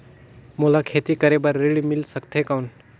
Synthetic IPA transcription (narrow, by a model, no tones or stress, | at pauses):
mulakʰet̪ikəɾebəɾːiɽimilsəkt̪ʰekawn